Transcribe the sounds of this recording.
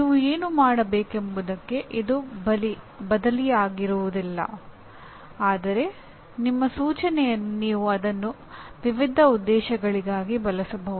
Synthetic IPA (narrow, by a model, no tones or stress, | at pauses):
niːʋueːnumaːɽɐbeːke̞mbud̪ɐkːe̞ʔid̪uli | bɐd̪ɐlijaːɡiɾuʋud̪ilːɐ̰ | aːd̪ɐɾe̞ | nimːɐsuːt͡ʃɐnɛjɐnːuniːʋuɐd̪ɐnːu | ʋiʋid̪ʱːɐud̪ːɛːʃɐɡɐɭiɡaːɡibɐlɐsɐbɐʋu